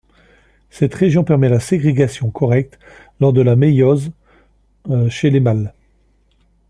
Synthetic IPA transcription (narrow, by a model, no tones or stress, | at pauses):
sɛt̪χeʒjɔ̃pɛʁmɛlaseɡʁeɡasjɔ̃kʰɔʁɛk̚t̪ | lɔʁd̪əlamejɔz | ʃelemal